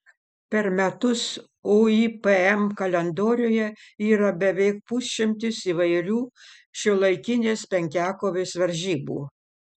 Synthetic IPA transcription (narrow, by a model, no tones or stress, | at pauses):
pʲɛɾmʲɛt̪ʊs | oːiːpɛɛmkɐlʲɛnd̪oːɾʲoːjɛiːɾɐbʲɛʋʲɛɪk̚pʊsʲʃʲɪmʲt̪ʲɪsiʋɐɪɾʲuː | ʃʲɪlˠɐɪkʲɪnʲeːspʲɛŋʲkʲæːkoːʋʲeːsʋɐɾʲʒʲiːbṵː